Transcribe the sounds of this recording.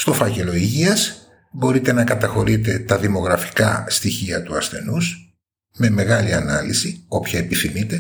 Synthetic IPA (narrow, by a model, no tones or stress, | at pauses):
st̪o̞fɐce̞lo̞iʝiɐs | bo̞ɾit̪e̞nɐkɐt̪ɐxo̞ɾit̪e̞t̪ɐðimo̞ɣɾɐfi̥kɐst̪içiɐt̪uɐsθe̞nus | me̞me̞ɣɐliɐnɐlisio̞pçɐepiθimit̪e̞